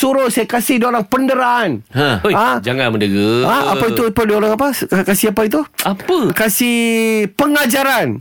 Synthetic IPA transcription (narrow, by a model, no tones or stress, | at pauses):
suɾʊsajakasɪhdoɾaŋpəndəɾaanɦãoad͡ʒaŋanməndəɡəaa̰pait̪upadoɾaŋapakasiapait̪uapəkasihpəŋad͡ʒaɾan